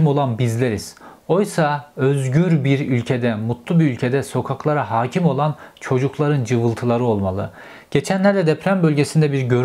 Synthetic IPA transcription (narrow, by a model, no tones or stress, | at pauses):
mo̞lˠanbizlʲeɾiz̥o̞jsaøzɟyɾbiɾylʲcʰe̞d̪ɛmut̪lˠubiylʲcʰe̞d̪ɛso̞kʰaklˠaɾaɦaːcʰimo̞lˠant͡ʃʰo̞d͡ʒuklˠaɾɯnd͡ʒɯvɯlˠt̪ʰɯlˠaɾɯo̞lˠmalˠɯ̰ | ɟ̥e̞t͡ʃʰænlʲæɾd̪ɛd̪ɛpʰɾæmbølʲɟe̞sind̪ɛbiɾɟø̞ɾ